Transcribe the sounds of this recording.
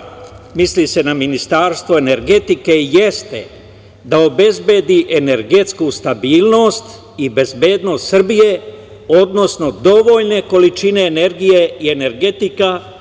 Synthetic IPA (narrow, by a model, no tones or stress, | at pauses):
mislise̞naminist̪aːɾst̪ʋoe̞ne̞ɾɡe̞t̪ike̞ijest̪e̞̰ | d̪ao̞be̞zbed̪iʔene̞ɾɡe̞t̪skust̪abiːlˠno̞ːst̪ | ibe̞zbeːd̪no̞ːst̪sr̩bije̞ | o̞d̪no̞sno̞d̪o̞ʋo̞ʎne̞ko̞lit͡ʃine̞ːne̞ɾɡijeiene̞ɾɡe̞t̪ika